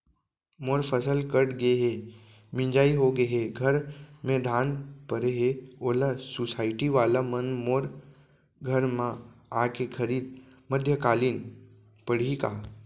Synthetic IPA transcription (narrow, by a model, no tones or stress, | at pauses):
moːɾpʰəsəlkəɽɡeɦe | mɪ̃ɲd͡ʒaːiɦoɡəɦeɡʱɐɾmẽd̪ʱaːnpəɾeɦeoːlasʊsaːɪʈiʋaːlamɐnmoːɾ | ɡʱɐɾmãaːkekʰəɾiːd̪̚ | məd̪ʱjəkaːliːn | pəɽ̤ika̰ː